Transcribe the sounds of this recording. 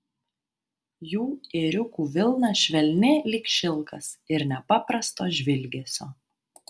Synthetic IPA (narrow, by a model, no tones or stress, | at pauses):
juːeɾʲʊkuːʋʲɪlˠnɐʃʲʋʲɛlʲnʲɪlʲɪːkʃʲɪlˠkɐsɪɾnʲɛpɑpɾɐst̪oːʒʲʋʲɪlʲɡʲeːsʲoː